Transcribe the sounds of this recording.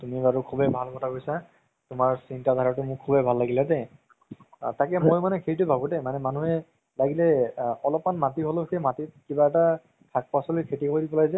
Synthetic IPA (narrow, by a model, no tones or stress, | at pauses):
tumibaɹʊkʰubɛbʱalkɔtʰakojsa | tʊmaɹsintadʱaɹatʊmʊkʰubɛbʱalːaɡiladɛ | takɛmojmanɛkʰeɹitʊbʱabʊdɛmanɛmanuɦɛ | laɡilɛɔlɔpmanmatiɦɔloxʰejmatikibaɛta | kʰak̚pasɔlikʰetikɔidibɔlajzɛ